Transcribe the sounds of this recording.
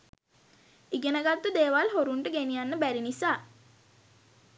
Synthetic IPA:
iɡenəɡat̪ːəd̪eːʋalɦoɾuɳʈəɡenijanːəbæɾinisaː

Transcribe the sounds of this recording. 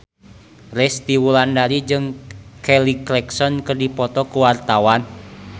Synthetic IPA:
rɛst̪iwulandaɾid͡ʒɨŋkɛliklɛksɔnkɨrdipɔt̪ɔkuwart̪awan

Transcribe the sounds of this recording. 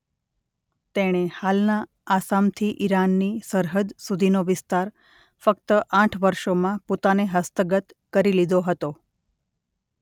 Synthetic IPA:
t̪eɽ̃ehalnaː | samt̪ʰiʔiɾanːisəɾɦəd̪sud̪ʱinoʋɪst̪aɾ | fəkt̪əʔãʈʰʋəɾʃomãpot̪aneɦəst̪əɡət̪kəɾilid̪ʱoɦət̪o

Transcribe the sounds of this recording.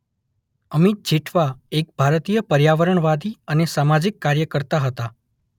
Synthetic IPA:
əmit̪̚d͡ʒʱiʈʰʋaek̚bʱaɾt̪ijəpəɾjaʋəɾəɳʋad̪iənesamad͡ʒɪkːaɾjəkəɾt̪aɦət̪a

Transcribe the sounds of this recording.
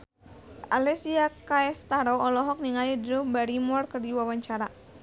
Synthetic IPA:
ʔalɛsiakaɛst̪aɾɔɔlɔɦɔk̚niŋalidɾubaɾimɔrkɨrdiwawaɲt͡ʃaɾa

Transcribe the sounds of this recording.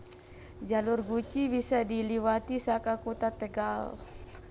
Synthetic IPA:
d͡ʒalurɡut͡ʃibisadiliwat̪isakakut̪at̪ɛɡal

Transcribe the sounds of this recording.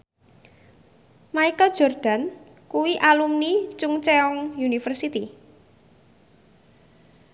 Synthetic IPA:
maikəld̥ʒ̥ɔrd̪̥a̤n | kuwiʔalumnit͡ʃʊŋt͡ʃeɔŋjunifərsit̪i

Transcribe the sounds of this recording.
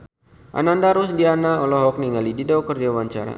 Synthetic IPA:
ʔa̰nandaɾusdianaɔlɔɦɔk̚niŋalididɔkərd͡ʒawaɲt͡ʃa̰ɾa̰

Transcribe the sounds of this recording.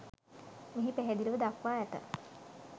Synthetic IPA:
miɦipeɦed̪iləʋəd̪akʋaːæt̪ə̰

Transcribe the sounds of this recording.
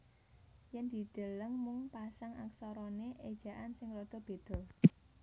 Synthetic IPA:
jɛnd̪̥i̤d̪̥ə̤ləŋmʊŋpasaŋa̰ksɔɾɔneʔed̥ʒ̥a̤ʔansɪŋrɔd̪̥ɔ̤b̥e̤d̪̥ɔ̤

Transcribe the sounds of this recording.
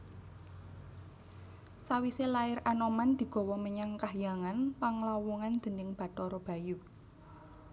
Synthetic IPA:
sawiselaɪɾanɔmand̪̥i̤ɡ̥ɔ̤wɔməɲaŋkahjaŋanpaŋlawuŋand̪̥ə̤nɪŋb̥ä̤tɔɾɔb̥ä̤jʊk̚

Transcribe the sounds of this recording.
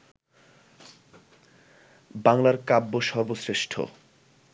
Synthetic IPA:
baŋlaɾkabːoʃɔɾbosɾeʃʈʰo̰

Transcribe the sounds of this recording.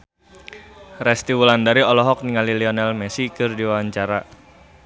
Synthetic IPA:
rɛst̪iwulandaɾiɔlɔɦɔk̚niŋaliliɔnɛlmɛsikɨrdiwawaɲt͡ʃaɾa

